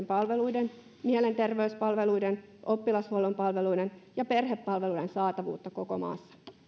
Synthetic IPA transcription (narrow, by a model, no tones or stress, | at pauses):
mpɑlʋelujden | miele̞nt̪erʋeyspɑlʋeluiden | ʔopːilɑshuolompɑlʋeluidenjɑpe̞rhepːɑlʋeludensɑːt̪ɑʋṵːt̪ːɑkoko̰mɑ̰ːsːɑ̥